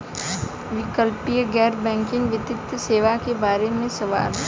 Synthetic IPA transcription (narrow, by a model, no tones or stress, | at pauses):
ʋɪkəlpijəɡɛːɾbɛ̃ːŋkɪ̃ŋɡʋɪt̪ɪt̪ːseːʋakebaːɾemẽsɐʋa̰ːɾ